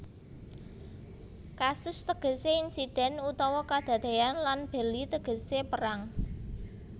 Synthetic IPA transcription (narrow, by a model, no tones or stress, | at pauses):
kasʊst̪əɡ̥ə̤seinsid̥ɛ̤nut̪ɔwɔkad̪̥a̤d̪e̤janlanb̥ə̤lit̪əɡ̥ə̤sepəɾaŋ